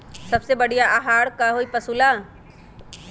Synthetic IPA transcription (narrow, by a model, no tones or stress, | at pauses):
sɐbsebɐɽ̤ijaʔaɦaːɽkaɦoːipɐsuːla